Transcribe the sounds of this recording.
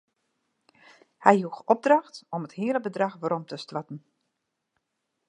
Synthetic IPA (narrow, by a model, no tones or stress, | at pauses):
hɛjhuxɔb̚drɑxtɔməthiələbədrɑxʋəɾɔmtəstʋatn̩